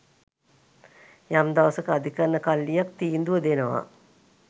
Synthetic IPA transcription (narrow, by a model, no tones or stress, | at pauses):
jamd̪aʋɐsəkəːd̪ʱikanːəkalːijak̚t̪iːnd̪uʋəd̪enəʋa̰